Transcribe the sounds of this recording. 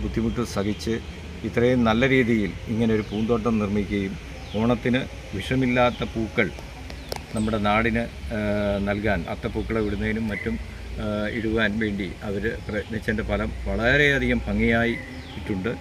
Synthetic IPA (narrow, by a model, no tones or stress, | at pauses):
bud̪ʱːimuʈːɨsɐɡit͡ɕːɨ | it̪ːrɐjunɐlːɐɾiːðijiliŋːɐne̞o̞ɾupuːnd̪o̞ːʈːɐmnirmikʲːuɣɐjum | o̞ːɳɐt̪ːinɨ | ʋiʂɐmilːaːt̪ːɐpuːkːɐɭ | nɐmːuɽe̞naːɽinɨ | nɐlkaːnɐ̰t̪ːɐpuːkːɐɭeʋiɽunːɐjinumːɐtːum | iɽuʋaːnʋe̞ːɳɖiɐʋɐɾɨprɐnet͡ɕːɐndepɐlɐmʋɐɭɐɾe̞ɐd̪ʱiɣɐmpɐŋːijaːji | itːuɳɖɨ